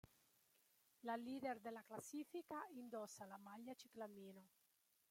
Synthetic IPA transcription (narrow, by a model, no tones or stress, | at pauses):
lalideɾd̪elaklasifikaind̪osalamaʎat͡ʃiklamino